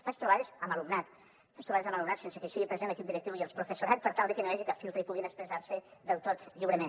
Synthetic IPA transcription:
fast̪ɾuβaðezəmalumnat̪ | faʃst̪ɾuβaðezamalumnat̪sensekesiɣipɾezenləkip̚d̪iɾek̚t̪iwjielˠspɾufesuɾat͡spəɾt̪alˠd̪ekenoaʒikafilˠt̪ɾeipuɣinəspɾezaɾseðɛwt̪ot̪ʎiwɾəmẽn

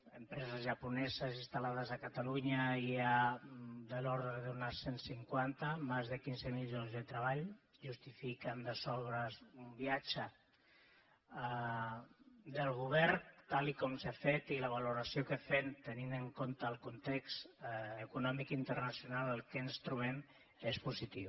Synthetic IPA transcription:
əmpɾɛzəzʒəpunɛzəzinst̪alað̞əzəkat̪aluɲəia | d̪əlɔɾðɾəðəðunasensiŋkwant̪əmazðəkinzəmiʎʒonzðət̪ɾəβaʎʒust̪ifikənd̪əsɔlβɾəzumbiat͡ʃə | d̪əlˠɣ̞uβɛɾt̪alikɔmsafet̪iləβ̞aluɾəsiokəfent̪əninəŋkont̪əːlˠkunt̪ekst̪əkunɔmikint̪ərnəsjunalˠəlˠkənst̪ɾuβɛm | espuzit̪iw

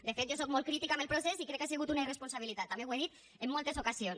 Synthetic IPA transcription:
d̪əfet̪̚ʒosok̚molˠkɾit̪ikaməlˠpɾosesikɾɛkːasiɣut̪unəirespunsaβ̞ilit̪at̪ːameweðit̪ | əmːolˠt̪ezokazions

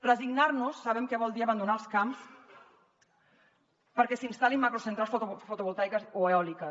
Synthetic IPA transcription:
rəziɡnaɾnusːaβɛmkɛβɔlˠd̪iəβand̪unaəlˠskams | pəɾkɛsinst̪alimːakɾosənt̪ɾalˠsffut̪uβulˠt̪ajkəsoeɔlikə

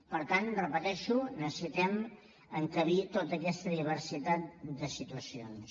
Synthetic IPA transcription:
pəɾt̪anrəpət̪ɛʃunəsit̪ɛm | əŋkəβit̪ot̪əkɛst̪əðiβ̞əɾsit̪at̪̚d̪əsit̪uəsions

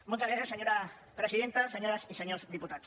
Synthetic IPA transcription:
molt̪azɣɾasjaseɲoɾa | pɾesiðent̪aseɲoɾasiseɲozd̪iput̪at̪s

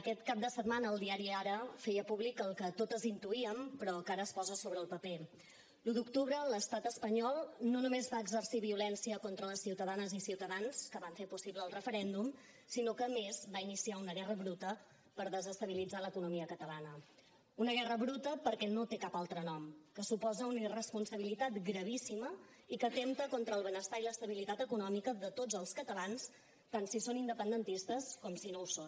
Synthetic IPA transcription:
əkɛt̪kap̚d̪əsət̪manəːlˠd̪iaɾiaɾəfɛjəpuβlikəlˠkət̪ot̪əzint̪uiəmpɾɔkaɾəːspɔzəsoβ̞ɾəːlˠpəpe | lud̪ukt̪uβɾələst̪at̪əspəɲɔlˠnonumezβaəɡzərsiβiulɛnsiəkont̪ɾələsːiwt̪əðanəzisiwt̪əðanskəβaɱfeɾpusiβləːlˠrəfəɾɛnd̪um | sinokəːmezβainisiaunəɣɛrəβɾut̪ə | pəɾðəzəst̪əβ̞ilid͡zaləkunumiəkət̪əlanə | unəɣɛrəβɾut̪əpəɾkɛnot̪ekapalˠt̪ɾənɔmkəsupɔzəunəirəspunsəβilit̪at̪ɡɾəβ̞isimə | ikəːt̪emt̪əkont̪ɾəːlˠβənəst̪ailəst̪əβilit̪at̪əkunɔmikəðət̪od͡zəlˠskət̪əlans | t̪ansisonind̪əpənd̪ənt̪ist̪əskɔmsinouson

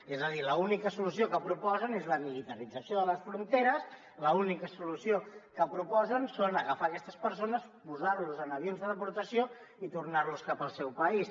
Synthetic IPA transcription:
ezəðiləunikəsulusiokəpɾupɔzənezləmilit̪əɾid͡zəsioðələsfɾunt̪eɾəs | ləunikəsulusiokəpɾupɔzənsonəɣəfaːkɛst̪əspəɾsonəspuzaɾluzənəβ̞jonzðəðəpuɾt̪əsio | it̪urnaɾluskapəlˠsɛwpəis

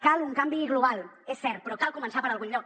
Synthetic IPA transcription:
kaluŋkambiɣloβal | esːeɾ̚peɾokalkomẽnsapaɾalɣuno

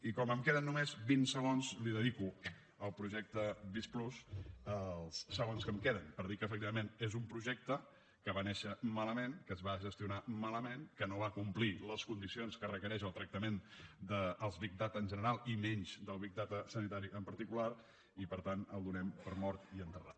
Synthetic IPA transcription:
ikɔməmkeðənːumezbinsəɣonzliðəðiku | əlˠpɾuʒɛk̚t̪əβisplusəlˠsːəɣ̞onskəmkeðənpəɾðikəːfək̚t̪iβəmenezumpɾuʒɛk̚t̪ə | kəβanɛʃəmaləmenkəːzβaʒəst̪iunamaləmenkənoβakumpliləskund̪isionskərəkəɾɛʃəlˠt̪ɾək̚t̪əmend̪əːlˠzβik̚d̪at̪ənʲʒənəɾalˠimɛɲt͡ʃd̪əlˠβik̚d̪at̪əsənit̪aɾiʔəmpəɾt̪ikulaɾ | ipəɾt̪anəlˠd̪unɛmpəɾmɔɾt̪iənt̪ərat̪

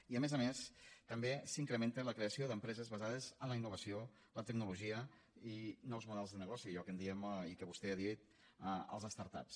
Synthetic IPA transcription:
iəmezəmest̪əmbesiŋkɾəment̪ələkɾeəsioðəmpɾɛzəzβəzað̞əzənləinːuβ̞əsio | lət̪əɡ̚nuluʒiə | inɔwzmuðɛlˠzðənəɣɔsiʎɔkənd̪iəmikəβust̪ɛaðit̪̚ | əə̰lˠzəst̪aɾt̪a̰ps

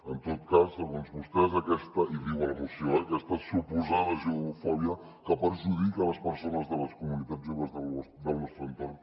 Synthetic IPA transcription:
ənt̪ot̪kasːəɣonzβust̪ɛzəkɛst̪əʔiβiwələmusjoəkɛst̪əsupuzaðəʒiuufɔβjə | kəpəɾʒuðikələspəɾsonəzðələskumunit̪aʒoβəzðəlɔsd̪əlˠnɔst̪ɾɛnt̪ɔn

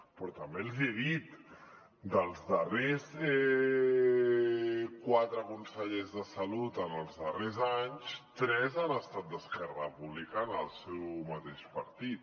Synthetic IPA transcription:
pɾɔt̪əmbelˠzeðit̪ | d̪əlˠzðərezɛ | kwat̪ɾəkunsəʎezðəsəlut̪ənəlˠzðərezaɲst̪ɾɛzanəst̪at̪̚d̪əskɛrəpuβlikanəlˠsɛwmət̪eʃpəɾt̪it̪̚

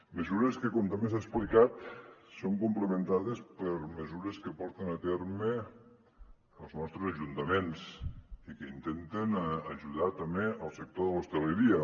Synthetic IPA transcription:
məzuɾəskəkɔmt̪amesasplikat̪soŋkumpləmənt̪aðəspəɾməzuɾəskəpɔɾt̪ənət̪eɾmə | əlˠznɔst̪ɾəzəʒunt̪əmensikəint̪ent̪ənəʒuðat̪əmeəlˠsək̚t̪oðələwst̪ələɾiə

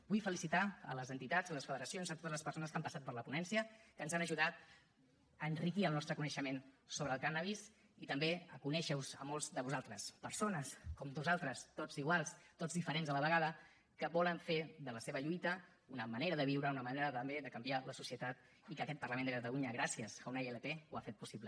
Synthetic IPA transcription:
b̥ujfəlisit̪aə̰ləzənt̪it̪azələsfəðəɾəsionzət̪ot̪əzləspəɾsonəskampəsat̪̚pəɾləpunɛnsiəkənzanəʒuðat̪̚ | əːnrikiəlˠnɔst̪ɾəkunəʃəmensoβɾəːlˠkanaβis | it̪əmbeəkunɛʃəwzə̰molˠzðəβuzalˠt̪ɾəspəɾsonəskɔmd̪uzalˠt̪ɾəst̪od͡ziɣwalˠst̪ozðifəɾenzðələβ̞əɣaðə | kəβɔləɱfeðələseβəʎujt̪ə | unəməneɾəðəβiwɾəunəməneɾət̪əmbeðəkəmbialəsusiət̪at̪ | ikəːkɛt̪̚pərləmend̪əkət̪əluɲəɣ̞ɾasiəsawnaeleteuafet̪̚pusiβlə

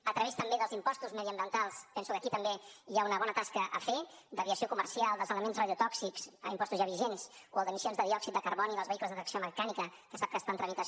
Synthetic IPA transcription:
ət̪ɾəβest̪əmbeðəlˠzimpɔst̪uzməðiəmbiənt̪alˠspɛnsukəkit̪əmbeiaunəβɔnət̪askəʔə̰fed̪əβiəsiokuməɾsialˠd̪əlzələmensrəðiut̪ɔksikzə̰impɔst̪uzʒaβiʒensoəlˠd̪əmisijonzðəðiɔksit̪̚d̪əkəɾβɔniðəlzβəikləzðət̪ɾəksioməkanikəkəsap̚kəːst̪ant̪ɾəmit̪ə

